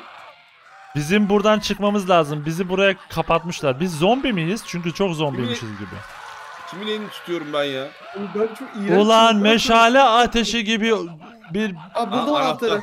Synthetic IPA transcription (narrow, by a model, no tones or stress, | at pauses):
bizimbuɾd̪ant͡ʃʰɯkmamɯzlʲˠaːzɯmbizibuɾajakʰapʰat̪mɯʃlˠaɾbizːo̞mbimijiz̥t͡ʃʰyɲcyt͡ʃʰokzo̞mbimiʃizɟibḭ | cʲʰiminenit̪ʰu̥t̪ʰyjo̞ɾumbænja | bt͡ʃʰokolˠanmeʃaːlʲɛaːt̪ʰe̞ʃiɟibi | biɾb̪a